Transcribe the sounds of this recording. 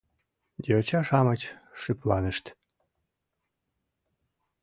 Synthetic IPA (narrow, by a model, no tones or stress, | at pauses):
d̪ʲeot͡ɕɑʃɑmət͡ɕʃyplɑnəʃt̪